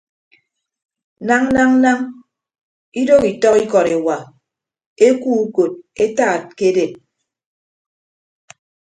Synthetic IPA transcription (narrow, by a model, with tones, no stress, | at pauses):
na˦ŋ̩˦na˦ŋ̩˦na˦ŋ | i˦do˦ki˨tɔ˦ki˦kɔ˨ɾe˨wa˨ | e˦kuː˦ko˨t̚e˦ta˦˨t̚ke˦de˨t̚